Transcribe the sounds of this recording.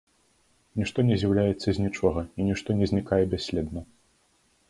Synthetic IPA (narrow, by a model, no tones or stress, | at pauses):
nʲiʂt̪ɔnʲɛzʲjawlʲajɛt̪sːɐzʲnʲit͡ʂɔɣɐinʲiʂt̪ɔnʲɛzʲnʲikajɛbʲasʲlʲɛd̪nɐ